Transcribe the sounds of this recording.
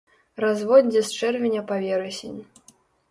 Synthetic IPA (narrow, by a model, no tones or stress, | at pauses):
ɾazvɔdʲɛst͡ʂɛrvʲenʲɐpavʲɛɾɛsʲenʲ